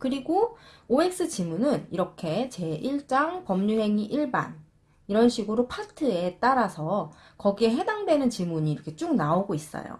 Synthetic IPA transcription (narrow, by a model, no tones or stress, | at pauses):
kɯɾiɡooe̞k̚s͈ɯt͡ɕimunɯniɾʌkʰe̞t͡ɕe̞ʔiɭt͡ɕ͈aŋpʌmɲuɦe̞ŋiʔiɭba̰n | iɾʌnɕʰiɡɯɾopʰatʰɯe̞t͈aɾasʰʌ | kʌɡie̞ɦe̞daŋdwe̞nɯnt͡ɕimuɲiːɾʌkʰe̞t͡ɕ͈uŋ̚naoɡois͈ʌ̰jo̰